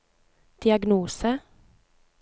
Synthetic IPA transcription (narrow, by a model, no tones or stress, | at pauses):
d̪̥ɪɑɡnuːsə